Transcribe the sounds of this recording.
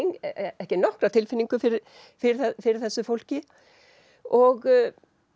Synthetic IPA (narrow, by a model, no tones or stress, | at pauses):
ŋɛhcɪnɔhkɾat̪ʰɪlfɪniŋkʏfɪɾ | fɪɾɛfɪɾɪɾθɛsːʏfowl̥cɪ | ɔɣ